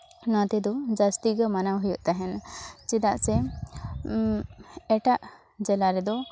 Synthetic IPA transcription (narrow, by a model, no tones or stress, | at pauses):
nãt̪ɛd̪ɔd͡ʒast̪iɡəmanawɦujɔʔt̪aɦɛnt͡ʃid̪aʔsɛ | ɛʈaʔ | d͡ʒɛlaɾɛd̪ɔ